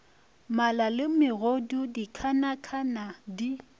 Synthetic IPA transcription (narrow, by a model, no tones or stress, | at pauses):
malalɪmɪɣodudikʰanakʰanadi